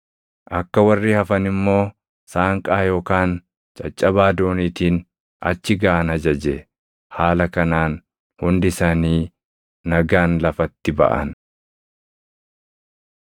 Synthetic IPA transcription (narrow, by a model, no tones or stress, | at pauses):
ʔɐkːɐwɐrːiːhɐfɐnɪmːo̞ː | saːŋkʼaːjo̞ːkaːn | t͡ʃʼɐt͡ʃʼːɐbaːd̪o̞ːniːt̪iːn | ɐ̰t͡ʃːɪɡaːʔɐnhɐd͡ʒɐd͡ʒɛ | haːlɐkɐnaːn | hʊnd̪ɪsaːniː | ɐɡaːnlɐfɐt̪ːɪbɐ̰ʔɐ̰n